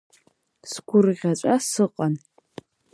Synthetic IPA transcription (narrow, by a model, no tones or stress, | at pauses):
sɡʷʰʊrʁʲat͡ʃʷʼasɨqʼan